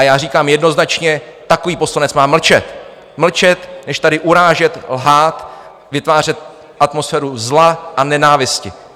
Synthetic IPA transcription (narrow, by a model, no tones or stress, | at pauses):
ajaːriːkaːmjɛdno̞znat͡ʃɲɛt̪akoviːpo̞slanɛt͡smaːml̩t͡ʃɛt̪ | ml̩t͡ʃɛt̪nɛʃt̪adɪʔuɾaːʒɛt̪lɦaːt̪ | vɪt̪vaːr̝ɛt̪̚ | ʔat̪mo̞sfɛːɾuzlaʔanɛnaːvɪscɪ